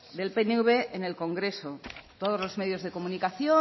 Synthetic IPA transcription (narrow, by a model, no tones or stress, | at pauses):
d̪e̞lpeneuβeːne̞lko̞ŋɡɾe̞so̞t̪oð̞o̞zlo̞zme̞ðjo̞zðe̞ko̞munikaθjo